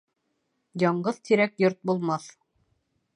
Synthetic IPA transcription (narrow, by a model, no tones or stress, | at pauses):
jɑɴɢɤðt̪ʰiɾækjoɾt̪̚bulˠmɑθ